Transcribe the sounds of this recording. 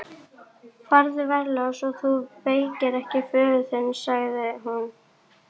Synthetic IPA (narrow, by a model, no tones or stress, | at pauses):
kfaɾðɪvɛɾlœsɔɣθupeːjcɪɾɛhcɪfœːðʏθɪnːsaɣðɪɦan